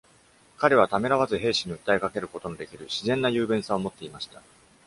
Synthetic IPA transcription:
kaɾe̞β̞at̪ame̞ɾaβazɨɦe̞ːɕiɲ̟iɯ̟t̪ːaekake̞ɾɯ̟ko̞t̪o̞nod̪e̞kʲiɾɯ̟ɕizẽ̞nːajɯ̟ːbẽ̞ɰ̃saomo̞t̪ːe̞imaɕi̥t̪a

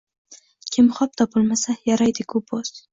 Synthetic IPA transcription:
kʲʰɪmχɒp̚t̪ʰɒpʊlmasajaɾajd̪ɪkʰupʰos

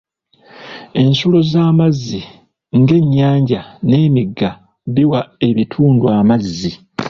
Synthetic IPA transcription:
e̞nsulo̞zaːmazːi | ŋɡe̞ɲːaːɲɟane̞ːmiɡːa | diwae̞βitʰuːnduamazːi

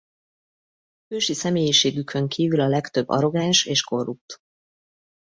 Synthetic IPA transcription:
høːʃisɛmeːjiʃeːɡykʰø̞ŋkʰiːvylɒlɛkt̪ø̞bːɒ̰ɾo̞ɡaːnʃeːʃko̞rːup̚t̪

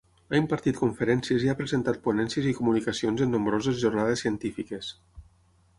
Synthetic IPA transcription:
aimpaɾt̪it̪kuɱfəɾɛnsieziapɾezent̪at̪̚punɛnsiəzikumunikasionzenːumbɾozezʒornaðesiənt̪ifikes

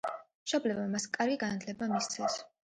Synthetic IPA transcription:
mʃɔblɛbmamaskʼaɾɡiɡanad̪ʰlɛbamist̪sʰɛs

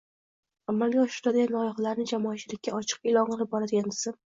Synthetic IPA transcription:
amːalɡʲaɒʃɪɾd̪ad̪ajanlɒjɒχalaɾnɪd͡ʒamɒːt͡ʃʰɪlɪkʲːaɒt͡ʃʰɨ̥qɪlˠɒnqɨlˠɪp̚bɒɾad̪ɪɡʲand̪ɪzɪm

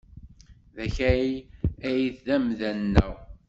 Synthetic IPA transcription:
ðæçæiæjiθðæmðænːæw

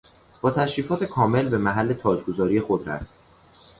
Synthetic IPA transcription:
b̥ɒːt̪ʰæʃɾiːfɒːt̪ʰe̞kʰɒːme̞lbe̞mæɦælːe̞t̪ʰɒːd͡ʒɡozɒːɾijexod̪ɾæ̰ft̪

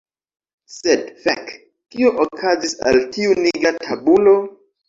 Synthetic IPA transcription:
sedfa̰k | kioʔokʰazisa̰ltiuniɡɾatʰabulo̞

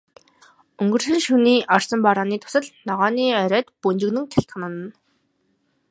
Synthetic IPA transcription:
ɵŋɡɵ̆r̥sɘ̆nʃuniːʔɔrsə̆mpaɾaːniːt̪ʰʊ̥sə̆ɮnɔʁɔːniːœɾʲœːt̪punt͡ɕɪ̆ɣnɘ̆ŋt̪ʰæɬt̪χanə̆n̆n

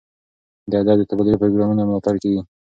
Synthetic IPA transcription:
d̪əad̪ɑd̪ət̪abad̪ʊlepɾoɡɾɑmunamlɑt̪aɾkeɡi

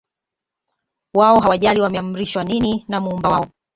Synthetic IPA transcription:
waɔɦawaʄaliwamɛam̩ɾiʃwanininamuumbawaɔ

